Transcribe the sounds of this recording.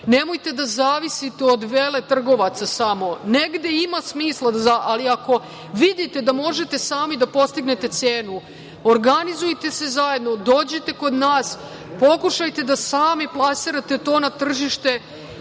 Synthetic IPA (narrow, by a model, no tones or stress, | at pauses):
nemojt̪e̞d̪azaːʋisit̪eod̪ʋeːle̞t̪r̩ɡo̞ʋat̪sasamo̞ne̞ɡd̪e̞imasmiːslˠazaʔaliako̞ | ʋid̪it̪e̞d̪amo̞ʒe̞t̪e̞saːmid̪apo̞st̪iɡnet̪e̞t̪seːnu | oɾɡanizujt̪e̞se̞zaje̞d̪no̞d̪o̞ːd͡ʑet̪e̞ko̞d̪naːs | po̞kuʃajt̪e̞d̪asaːmiplˠasiɾat̪et̪o̞ːnat̪r̩ʒiʃt̪e̞